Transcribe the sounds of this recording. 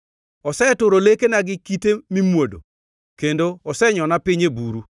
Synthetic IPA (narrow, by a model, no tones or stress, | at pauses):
ɔsɛtʊɾolekenaɡɪkitemimwodo̰ | kendoɔsɛɲɔnapɪɲebuɾu